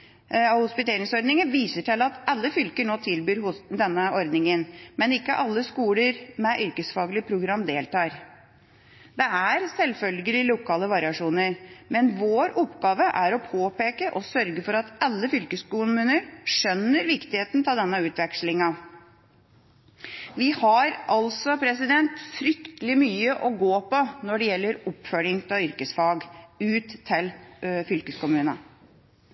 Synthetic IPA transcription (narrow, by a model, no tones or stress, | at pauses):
ɑhʊspɪt̪ʰeːɾɪŋsɔɾd̪nɪŋəʋiːsəʈʰɪlɑt̪ɑlːəfʏlkəɳoːt̪ʰɪlbyːɾʊsd̪ɛnːəɔɾd̪nɪŋənmɛnɪkːəʔɑlːəskuːləɾmɛʔʏɾkəsfɑːɡlɪpʰɾʊɡɾɑmd̪eːlt̪ʰɑːɾ | d̪ɛæɾsɛlfœlɡəlɪlʊkʰɑːləʋɑɾɪɑʂuːnəɾmɛnʋoːɾʊpːɡɑːʋəʔæɾɔpʰoːpeːkəʔɔsœɾɡəfɔɾɑt̪ɑlːəfʏlkəskʊmʉːnəɾʂœnːəɾʋɪkt̪ɪheːt̪nt̪ʰɑːd̪ɛnːɑʉːt̪ʋɛkʂlɪŋɑ | ʋɪhɑɾʔɑlsɔpʰɾɛsɪd̪ɛnt̪fɾʏkt̪əlɪmyːəʔɔɡoːpɔnɔɖɛjɛlːəɾɔpfœɾɪŋt̪ɑʏɾkəsfɑːɡʉːt̪ʰːɪlfʏlkəskʊmʉːnɑ